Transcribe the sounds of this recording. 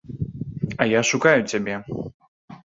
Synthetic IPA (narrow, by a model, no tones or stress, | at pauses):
ɐjaʂukajut͡sʲabʲɛ